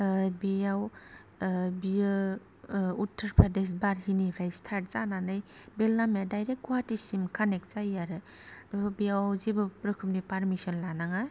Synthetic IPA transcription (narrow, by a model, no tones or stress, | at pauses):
bijaw | biɯ | utʰːəɾpʰɾades̬baɾɦinipʰɾajstʰaɾt̚zananɯjbelnamjadajɾek̚ɡuatisimkʰanek̚zajaɾɯ | ɯbijawzibɯpɾɯkʰɯmnipaɾmisɔnlanaŋa